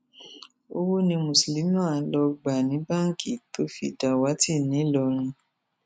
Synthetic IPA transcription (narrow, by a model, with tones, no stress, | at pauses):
o˧wo˦nĩ˧mũ˨sli˨˦ũ˦a˨˦lɔ˧ɡ͡ba˨nĩ˨˦ba˦ŋ̩˦˨ki˨to˦fḭ˧da˧˨wa˨˦ti˦˨nĩ˨˦lɔ˧ɾ̃ũ˧